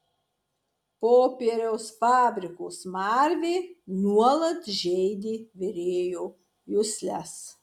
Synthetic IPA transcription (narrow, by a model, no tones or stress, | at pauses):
poːpʲiɾʲɛʊsfɑːbʲɾʲɪkoːsmɑːɾʲʋʲeːnuɔlˠɐt̪ʒʲɛɪd̪ʲiːʋʲɪɾʲeːjoː | jʊsʲlʲæs